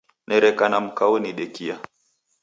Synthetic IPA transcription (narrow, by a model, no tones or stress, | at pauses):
nʔɛɾɛkanam̩kawɛniɗɛkia